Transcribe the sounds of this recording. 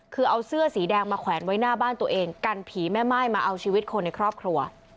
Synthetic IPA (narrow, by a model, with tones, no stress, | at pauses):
kʰɯː˧ʔa˧wsɯ˥˩ɐsiː˩˦dɛː˧ŋmaː˧kʰwɛː˩˦nwa˦˥jnaː˥˩baː˥˩nt̪u˧ɐʔeː˧ŋka˧npʰiː˩˦mɛː˥˩maː˥˩jmaː˧ʔa˧wt͡ɕʰiː˧wi˦˥t̪̚kʰo˧nːa˧jkʰɾɔː˥˩p̚kʰɾu˧ɐ